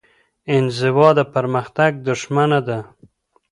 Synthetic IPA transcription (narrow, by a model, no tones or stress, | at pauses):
ɪnzɪwɑd̪apaɾmaxt̪aɡ̚d̪ʊʃmanad̪a